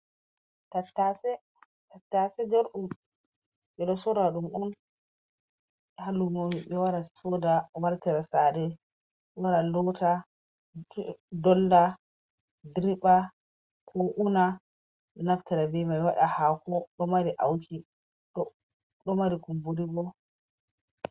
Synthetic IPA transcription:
tatːasɛ | tatːasɛd͡ʒɔɾɗum | ɓɛɗɔsɔɾaɗumʔɔn | halumomiɓɛwaɾasɔdawaɾtɛɾasadɛ | waɾalɔtʰa | dɔlːa | dɾiɓa | kʰoʔuna | naftɛɾabɛmajwaɗahakɔɗɔmaɾiʔawkʰi | ɗɔ | ɗɔmaɾikumbuɾibɔ

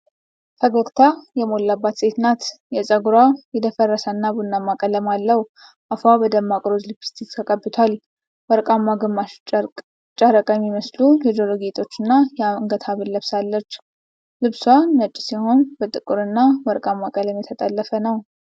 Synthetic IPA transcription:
fʰəɡəkt̪ʰajɛmo̞lːabːat̪sʼet̪nat̪ | jɛsʼəɡuɾajɛd̪əfərːəsənːabunːamːakʼələmalːəw | ʔafabəd̪əmːakʼɾozlɨpi̥st̪ikt̪ʰəkʼəbːɨt̪ʰal | wəɾkʼamːaɡəma | t͡ʃʼaɾəkʼəmːiməslujɛd̪oloɡet̪ʰʼo̞t͡ʃːɨnːajŋɡət̪ʰaβɨllːəβsalːət͡ʃː | lɨβsaːət͡ʃʼːsiho̞nbət̪ʼɨkʼːɨɾɨnːawəɾkʼamːakʼələmjɛt̪ʰət̪ʼəlːəfənəw

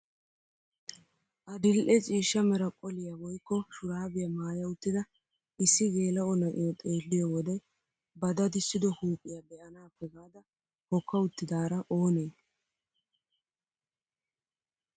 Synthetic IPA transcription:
ʔɐd̪ɪlʔɛt͡sʼiːʃːɐmɛɾɐkʼɔlɪjɐwɔjkːɔʃʊɾaːbɪjɐmaːjɐʊt̪ːɪd̪ɐ | ʔɪsːɪɡe̞ːlɐɔnɐʔɪ̰jɔt̪ʼe̞ːlːɪjɔwɔd̪ɛj | bɐd̪ɐd̪ɪsːɪd̪ɔhuːpʼːɪjɐbɛʔɐnaːpːɛɡaːd̪ɐ | hɔkːɐʊt̪ːɪd̪aːɾɐʔo̞ːneː

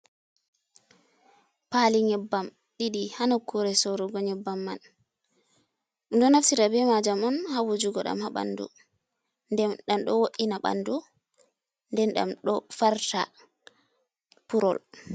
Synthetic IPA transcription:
paliŋɛbːam | ɗiɗihanɔkːuɾɛsɔɾɔɡɔɲɛbːamːan | ndɔnafsitabɛmad͡ʒamɔnhawud͡ʒuɡɔɗa̰mhaɓa̰ndṵ | ndɛɗamɗɔwoʔinaɓa̰ndu | ndɛnɗa̰mɗɔfaɾta | puɾɔ̰l

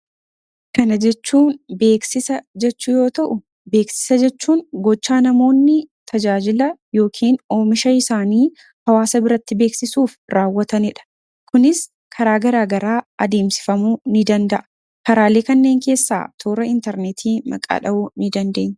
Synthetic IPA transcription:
kɐnɐd͡ʒɛt͡ʃːuːnbe̞ːksɪsɐd͡ʒɛt͡ʃːʊjo̞ːt̪ɐʔʊ | be̞ːksɪ̥sɐd͡ʒɛt͡ʃːuːnɡɔt͡ʃːaːnɐmo̞ːnːɪt̪ʰɐd͡ʒaːd͡ʒɪlɐjo̞ːkʰiːno̞ːmɪʃɐɪsaːniː | hɐwaːsɐbɪɾɐt̪ːɪbe̞ːksɪsuːfɾaːwːɐt̪ɐnɪᶑɐ̥ | kʊnɪs | kʰɐɾaːɡɐɾaːɡɐɾaːɐd̪e̞ːmsɪ̥fɐmunɪd̪ɐnd̪ɐʔɐ | kɐɾaːle̞ːkɐnːeːŋke̞ːsːa̰ːt̪ʰoːɾɐɪnt̪ɛɾnet̪ʰiːmɐ̰kʼa̰ːᶑɐʔunɪd̪ɐnd̪e̞̰ːɲː

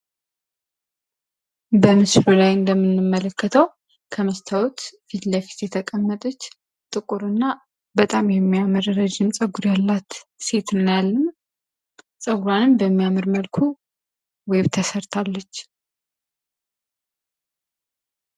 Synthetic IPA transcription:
bəmɨsɾulajɨnd̪əmːɨnːɨmːələkʰːət̪ʰəw | kʰəməst̪ʰawt̪fit̪ləfi̥t̪jɛt̪ʰəkʼəmːət̪ʼət͡ʃː | t̪ʼɨkʼuɾɨnːa | bət̪ʼamjɛmːiamɨɾɾəd͡ʒɪmsʼəɡuɾjalːat̪se̞t̪ɨnːjalːəm | sʼəɡuɾanɨnbəmːijamɨɾməlkʰu | weβt̪ʰəsəɾt̪ʰalːət͡ʃː

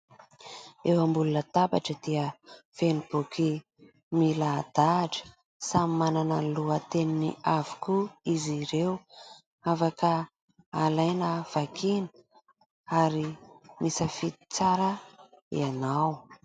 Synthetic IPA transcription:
ewambulunət̪abaʈ͡ʂəd̪̥iəfenib̥ukʰi | milad̪̥aʈ͡ʂə̥ | samimananəluət̪eniniavi̥kuiziɾew | afakə | alajnəv̥akʰinə̥ | aɾimʔisəfit̪i̥t͡saɾə | ḭanaw

